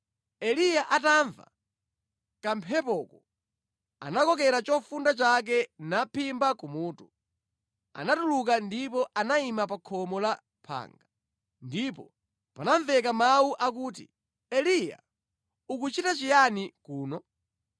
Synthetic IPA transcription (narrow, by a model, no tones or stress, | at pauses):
ɛlijaʔataːɱva̰ | kampʰɛpɔkɔ | a̰nakɔk̬ɛɾat͡ʃɔfundat͡ʃak̬ɛnapʰimbakumuːtu | a̰natuluk̬andip̬ɔʔanaimapakʰɔmɔla | pʰa̰ːŋɡa | ndipɔ | panaɱvɛk̬amauʔak̬uːtḭ | ɛlija̰ | ukut͡ʃitat͡ʃijanikuːnɔ